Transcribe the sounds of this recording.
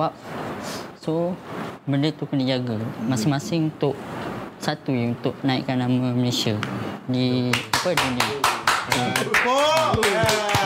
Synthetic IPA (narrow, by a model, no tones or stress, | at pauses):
wap̚ | so | bəndət̪ukənid͡ʒaɡamasɪŋmasɪŋunt̪ʊʔsat̪ujunt̪ʊʔ̚nãḭʔkanːamãməlesiadiapədunĩa